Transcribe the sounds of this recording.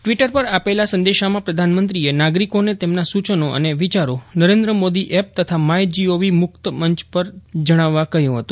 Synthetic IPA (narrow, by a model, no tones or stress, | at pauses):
ʈʋiʈəɾpəɾapelasə̃nd̪eʃamãpɾəd̪ʱanmənt̪ɾienaɡɾikonet̪emnasut͡ʃənoʔə̰neʋit͡ʃaɾonəɾẽnd̪ɾəmod̪iʔep̚t̪ət̪ʰamajd͡ʒioʋimʊkt̪əməɲt͡ʃpəɾd͡ʒəɽ̃aʋːakəɦjũɦət̪ũ